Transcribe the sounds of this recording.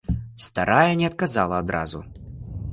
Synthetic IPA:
st̪aɾʔajɐnʲɛɐt̪̚kazalˠɐːd̪ɾa̰zu

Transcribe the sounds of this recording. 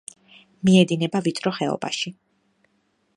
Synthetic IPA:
miɛd̪inɛbavit̪sʼɾɔχɛɔ̰ba̰ʃi

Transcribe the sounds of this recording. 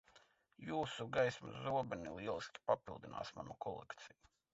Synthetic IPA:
juːsuɡajsmṵzuɔbɛnḭlˠiɛlˠiskʲi̥papilˠd̪ina̰ːsma̰nukʰɔlˠɛkt̪siju

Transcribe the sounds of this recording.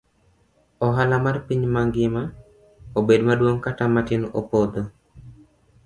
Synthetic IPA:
ɔɦalamarpiɲmaŋɡɪma | obedmadwoŋkatamatɪnopod̪o

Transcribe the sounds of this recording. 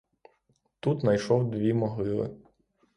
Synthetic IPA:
t̪ut̪nɐjʃɔwd̪ʋʲimɔɦlˠɪlˠɪ̰

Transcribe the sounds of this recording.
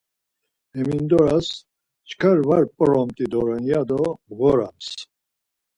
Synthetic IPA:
ɛmind̪ɔɾas | t͡ʃkʰaɾvaɾpʼɾɔmt̪ʼid̪ɔɾɛnjad̪ɔɣɔɾams

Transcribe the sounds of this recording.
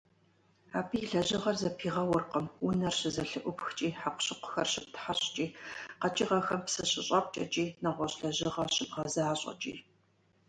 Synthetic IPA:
aːbijɮɐʑɪʁɐrzɐpʰiːʁɐwʊrqəmʊnɐrɕɨzɐɬɨʔʷʊpxt͡ʃʼiːħaqʷʊ̥ɕɪqʷʊ̥xɐrɕɪp̚tʰħaɕʼt͡ʃʼiːqɐt͡ʃʼiʁɐxɐmpsɨɕɪɕʼɐp̚ʷʼt͡ʃʼɐ̰t͡ʃʼiːnɐʁʷɔɕɬɐʑɪʁɐɕɨbʁɐzaːɕʼɐ̰t͡ʃʼḭː

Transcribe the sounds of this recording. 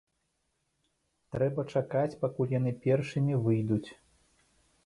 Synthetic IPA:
t̪ɾɛbɐt͡ʂakat͡sʲpakulʲjan̪ɨpʲɛrʂɨmʲivɨjd̪ut͡sʲ

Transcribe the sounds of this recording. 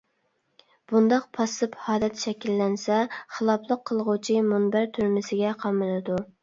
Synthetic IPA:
b̥und̪ɑq̚pʰɑsɨphɑːd̪ɛt̪ʃɛkʲilːɛnsɛχəlˠɑpʰlˠəqʰːəlˠʁʊt͡ʃʰimunbæɾt̪ʰyɾmɪsɪɡʲɛqʰɑmɨlˠɨd̪u

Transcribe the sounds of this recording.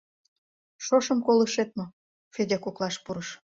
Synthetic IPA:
ʃoʃəmkoləʃet̪̚mo | fedʲɑkoklɑʃpuɾəʃ

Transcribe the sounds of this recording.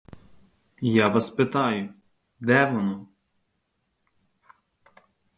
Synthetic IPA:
jaʋɑspɪt̪ɑjʊ | d̪ɛʋɔnɔ

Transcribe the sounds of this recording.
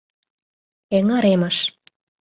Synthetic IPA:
eŋɑɾeməʃ

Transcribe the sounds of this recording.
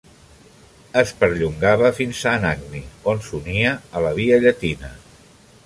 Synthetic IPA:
əspəɾʎuŋɡaβəfinsəːnaɡ̚nionsuniəːləβ̞iəʎət̪inə

